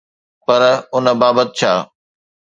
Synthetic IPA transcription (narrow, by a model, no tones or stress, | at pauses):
pɐɾʊnə̆baːbət̪̚t͡ɕʰaː